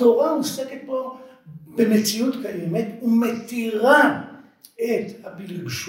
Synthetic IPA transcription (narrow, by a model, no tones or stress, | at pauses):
oʁausekepobemet͡sijut̪kajemet̪umet̪iʁa | et̪abilkʃ